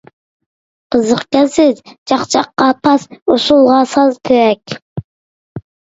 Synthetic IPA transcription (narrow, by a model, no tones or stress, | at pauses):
qʰəzəqkʲɛsɪzd͡ʒʰɑχt͡ʃʰɑqːɑpʰɑsosulˠʁɑsɑzt̪ʰøɛkʲ